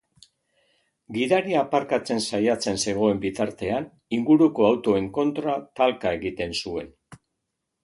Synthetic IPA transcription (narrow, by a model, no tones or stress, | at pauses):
ɡiðaɾiaːpaɾkat͡se̞nsajat͡se̞nse̞ɣ̞o̞e̞mbit̪aɾt̪e̞an | iŋɡuɾuko̞awt̪o̞e̞ŋko̞nt̪ɾat̪alkae̞ɣit̪e̞nsue̞n